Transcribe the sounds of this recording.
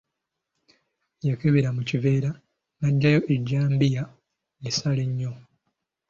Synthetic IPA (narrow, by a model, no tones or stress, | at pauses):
jekeβeɾamucive̞ːɾa | naɟːajo̞ʔeɟːaːmbija | nisaleɲːo̞